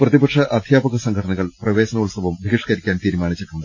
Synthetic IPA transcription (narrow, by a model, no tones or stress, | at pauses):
prɐðibɐkʂɐɐd̪ʱjaːbɐɣɐsɐŋkʰɐʈʰɐɳɐɣɐɭprɐʋe̞ːɕɐnɐuɭsɐʋɐmbʱiɣiʂkɐɾikʲːaːnt̪iːɾumaːɳit͡ɕːɐʈːunːɐd̪ɨ